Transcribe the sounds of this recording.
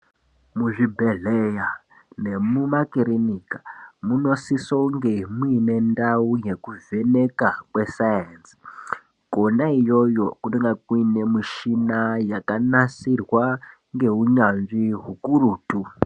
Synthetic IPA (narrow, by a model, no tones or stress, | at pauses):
muʐibʱe̞ɮeja | ne̞mumakiɾinikḁmuno̞sisoŋɡe̞muine̞ndauje̞kuve̞ne̞kakwe̞sajens | ko̞naijo̞jokuteŋɡakuine̞miʃinajakanasirwa | ŋɡe̞uɲanʐiɦukuruːtu